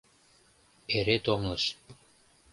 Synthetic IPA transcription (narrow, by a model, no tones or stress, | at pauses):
eɾet̪oŋlˠɤʃ